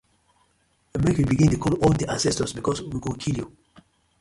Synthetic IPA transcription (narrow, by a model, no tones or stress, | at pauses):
əmɛɹikwibiɡĩntukʰɔlɔndiʔãnsɛstɔsbikʰɔswiɡõkʰilju